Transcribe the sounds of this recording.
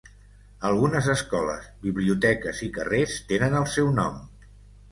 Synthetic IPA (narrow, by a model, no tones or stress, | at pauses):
əlˠɣunəzəskɔlə̰zβiβliut̪ɛkəzikə̰rest̪enənəlˠsɛwnɔ̰m